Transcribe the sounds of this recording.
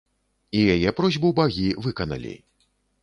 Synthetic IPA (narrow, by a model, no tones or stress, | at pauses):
ijajɛpɾɔzʲbubaɣʲivɨkɐnɐ̰lʲḭ